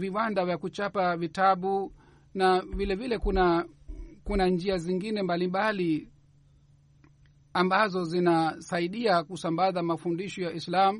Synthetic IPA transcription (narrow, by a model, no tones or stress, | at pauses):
viwandavjakut͡ʃapavitaɓu | navilɛvilɛkuna | kunand͡ʒiaziŋɡinɛmbalimbali | ambazɔzinasaiɗiakusambazamafundiʃɔjaʔislamu